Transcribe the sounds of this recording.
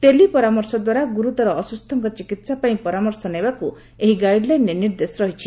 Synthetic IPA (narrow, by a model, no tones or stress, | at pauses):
t̪elipɔɾamɔɾsɔd̪waɾaɡuɾut̪ɔɾɔːsust̪ʰɔŋkɔt͡ʃikit̪sapaĩpɔɾamɔɾsɔnebaku | eɦiɡajɖlajneniɾd̪esɾɔɦit͡ʃʰi